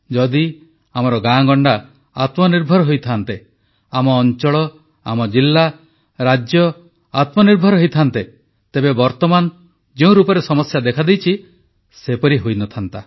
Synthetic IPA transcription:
d͡ʒɔd̪i | amɔɾɔɡãɡɔɳɖa | at̪mɔniɾbʱɔɾɔɦojt̪ʰant̪e | amɔːnt͡ʃɔɭɔ | amɔd͡ʒilːa | ɾad͡ʒjɔ | at̪mɔniɾbʱɔɾɔɦojt̪ʰant̪e | t̪ebebɔɾt̪ɔman | d͡ʒeũɾupɔɾesɔmɔsjad̪ekʰad̪ejt͡ʃʰi | sepɔɾiɦojnɔt̪ʰant̪a

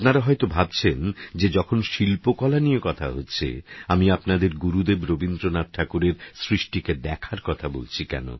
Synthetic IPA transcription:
pnaɾaɦɔjt̪obʱab̚t͡ɕʰend͡ʑed͡ʑɔkʰonʃilpokɔlanijekɔt̪ʰa̰ɦotːɕʰḛamiapnad̪eɾɡuɾud̪ebɾobind̪ɾonat̪ʈʰakuɾeɾsɾiʃʈiked̪ɛkʰaɾkɔt̪ʰabo̰lt͡ɕʰikɛ̰no̰

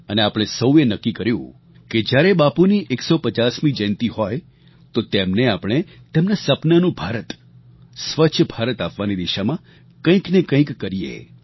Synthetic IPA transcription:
əneapɽ̃esəwenəkːikəɾjṵ̃ | ked͡ʒjaɾebapuniʔeksopət͡ʃasmĩd͡ʒɛ̃nt̪iɦoj | t̪ot̪emneapɽ̃e | t̪emnasəpnanũbʱaɾət̪ | sʋət͡ʃʰəbʱaɾət̪apʋanid̪iʃamã | kə̃ĩknekə̃ĩkːəɾiḛ

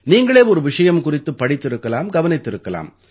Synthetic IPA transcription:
niːŋɡɐɭeːɔɾɯʋɪʂɐjɐmkʊrɪt̪ːɯpːɐɽɪt̪ːɪɾɯkːɐlaːmɡɐʋɐnɪt̪ːɪɾɯkːɐla̰ːm

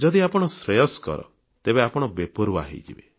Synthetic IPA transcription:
d͡ʒɔd̪iapɔɽ̃ɔsɾejɔskɔ̰ɾɔ̰ | t̪ebeapɔɽ̃ɔbepoɾwa̰ɦḭd͡ʒḭbe

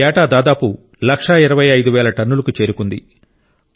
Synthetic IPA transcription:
ɛːʈaːd̪aːd̪aːpu | lɐkʂɐiɾɐʋɐjɐjd̪uʋɛːlɐʈɐnːulɐkut͡ʃe̞ːɾukund̪i

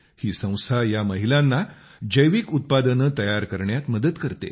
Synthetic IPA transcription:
hiːsə̃w̃st̪ʰajaməɦilanːa | d͡ʑəjʋiːkut̪̚pad̪ənət̪əjaɾkəɾɳjat̪məd̪əd̪kəɾt̪ḛ

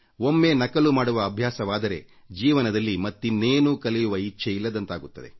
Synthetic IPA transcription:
o̞mːe̞nɐkɐlumaːɽuʋɐːbʱjaːsɐʋaːd̪ɐɾe̞ | d͡ʒiːʋɐnɐd̪ɐlːimɐt̪ːinːeːnuːkɐlɛjuʋɐit͡ʃːt͡ʃʰːeilːɐd̪ɐnt̪aːɡut̪ːɐd̪e̞̰

